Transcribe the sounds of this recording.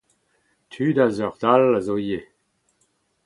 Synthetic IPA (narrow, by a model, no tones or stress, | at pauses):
t̪ʰyːdazœʁd̪alazoje